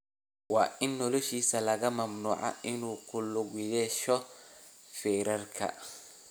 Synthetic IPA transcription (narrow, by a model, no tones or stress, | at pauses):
wɑːʔɪnːɔlɔʃiːsɐlɐɣɐmɐmnuːʕa̰ʔɪnuːkʰʊlʊɣjɛːʃɔ | fɛːɾɐrkʰɐ̰